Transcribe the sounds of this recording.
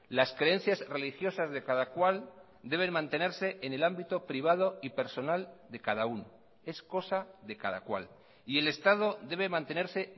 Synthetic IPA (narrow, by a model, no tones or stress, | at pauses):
laskɾe̞en̟θjazre̞lixjo̞sazðe̞kaðakwal | d̪e̞β̞e̞nmãnt̪e̞ne̞ɾse̞ʔene̞lambit̪o̞pɾiβ̞að̞o̞ipe̞ɾso̞nald̪e̞kað̞auno | e̞sko̞saðe̞kaða̰kwa̰l | ie̞le̞st̪að̞oðe̞β̞emãnt̪e̞neɾse̞